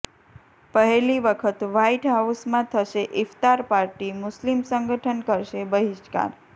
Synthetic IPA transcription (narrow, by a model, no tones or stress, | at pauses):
pəɦeliʋəkʰət̪ʋaiʈɦausmãt̪ʰəʃeʔɪft̪aɾpaɾʈimʊslimsəŋɡəʈʰənkəɾʃebəɦiʃka̰ɾ